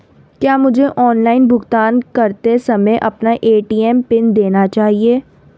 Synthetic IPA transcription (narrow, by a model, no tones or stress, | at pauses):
kjaːmʊd͡ʒʱeʔɔːnlaːɪnbʱʊɡt̪aːnkɐɾt̪esɐməjʔɐpnaʔeːʈiːɛmpɪnd̪eːnat͡ʃaːɦieː